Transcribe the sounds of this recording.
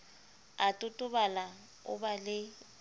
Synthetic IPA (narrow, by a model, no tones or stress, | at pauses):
atʼʊtʼʊbala | ʊ̰balɪ